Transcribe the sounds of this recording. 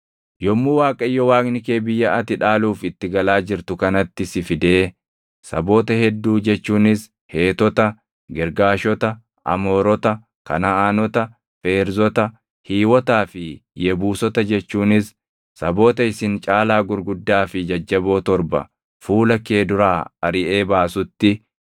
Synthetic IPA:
jɔmːuːwaːkʼɐɪjːɔwaːkʼnɪke̞ːbɪjːɐʔɐt̪ɪᶑaːluːfɪt̪ːɪɡɐlaːd͡ʒɪɾt̪ʊkɐnɐt̪ːɪsɪfɪd̪e̞ː | sɐ̰bo̞ːt̪ɐhɛd̪ːuːd͡ʒɛt͡ʃːuːnɪs | he̞ːt̪ɔt̪ɐ | ɡɛɾɡaːʃɔt̪ɐ | ʔɐ̰mo̞ːɾɔt̪ɐ | kɐ̰nɐaːnɔt̪ɐ | fe̞ːɾzɔt̪ɐ | hiːwɔt̪aːfɪjɛbuːsɔt̪ɐd͡ʒɛt͡ʃːuːnɪs | sɐbo̞ːt̪ɐɪsɪnt͡ʃʼaːlaːɡʊɾɡʊd̪ːaːfɪd͡ʒɐd͡ʒːɐbo̞ːt̪ɔɾbɐ̰ | fuːlɐke̞ːd̪ʊɾaːɐɾɪʔeːbaːsʊt̪ːɪ

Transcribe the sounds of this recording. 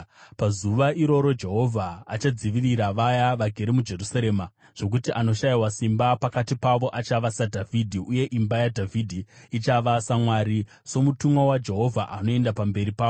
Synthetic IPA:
pazuʋaʔiɾo̞ɾo̞d͡ʒe̞ɦo̞vʱaːt͡ʃad͡ziʋiriɾaʋajaʋaɡʱe̞ɾemud͡ʒe̞rusaɾe̞ːma | ʐ̥o̞k̬utiʔano̞ʃaiwasimbapakatipaʋo̞ʔat͡ʃaʋasadʱavʱidʱiuje̞ʔimbajadʱavʱidʱiit͡ʃaʋasamwaɾi | so̞mutumwawad͡ʒe̞ɦo̞vʱaʔano̞e̞ndapambe̞ɾipaːo

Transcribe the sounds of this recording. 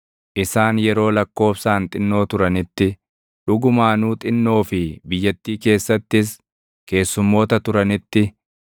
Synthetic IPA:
ʔɪsaːnjɛɾo̞ːlɐkːo̞ːfsaːnt̪ʼɪnːo̞ːt̪ʊɾɐnɪt̪ːɪ | ᶑʊɡʊmaːnuːt̪ʼɪnːo̞ːfɪbɪjːɐt̪ːiːke̞ːsːɐt̪ːɪs̬ | ke̞ːsːʊmːo̞ːt̪ɐt̪ʊɾɐnɪt̪ːɪ

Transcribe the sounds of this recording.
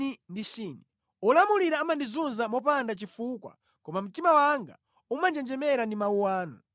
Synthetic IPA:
indit͡ʃiːni | ɔlamuliɾaːmandizunzamɔpandat͡ʃifuːkwa̰ | kɔmam̩timawaŋɡa̰ | umand͡ʒɛnd͡ʒɛmɛɾandimauwaːnɔ̰

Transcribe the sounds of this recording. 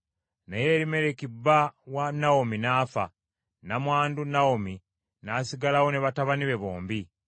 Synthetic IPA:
naje̞ɾime̞ɾekibːawanaominaːfa̰ | namwaːndunaomi | nasiɡalawo̞ne̞βataβaniβe̞βoːmbi

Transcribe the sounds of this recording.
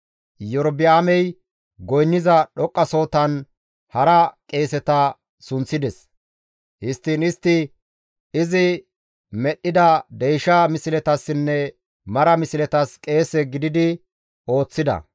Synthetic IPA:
jɔɾbɪaːmɛj | ɡɔjnːɪzɐɗɔkʼːɐso̞ːt̪ɐn | hɐɾɐkʼe̞ːsɛt̪ɐ | sʊnt͡sːɪd̪ɛs | hɪst̪ːɪnɪst̪ːɪ | ɪzɪ | mɛɗːɪd̪ɐd̪ɛjʃɐmɪsɪlɛt̪ɐsːɪnːɛ | mɐɾɐmɪsɪlɛt̪ɐskʼe̞ːsɛɡɪd̪ɪd̪ɪ | o̞ːt͡sːɪd̪ɐ̰

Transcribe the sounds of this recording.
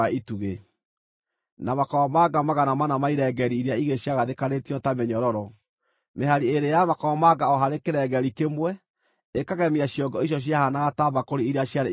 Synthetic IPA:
aʔituɣe | namakɔwɔmaɡamaɣanamanamaiɾɛɡɛɾiːɾeaiɣeɕjaɣaðekanetiɔtamɛɲɔɾɔɾɔ | meɦaɾieɾejamakɔwɔmaɡaɔɦaɾekeɾɛɡɛɾikemwɛ | ekaɣɛmiaɕjɔɡɔiɕ̬ɔɕ̬iahanaɣataβakoɾeiɾeaɕjaɾe

